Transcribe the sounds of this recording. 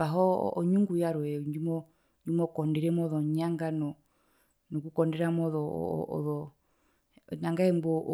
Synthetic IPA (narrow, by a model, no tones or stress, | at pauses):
baɦɔ̰ːɲuŋɡujaɾɔɛɲumɔ | ɲd͡ʒumɔkɔndɛɾɛmɔðɔɲaŋɡanɔ | nɔkukɔndɛɾamɔðɔ̰ɔ̰ðɔ | naŋɡaɛmbɔ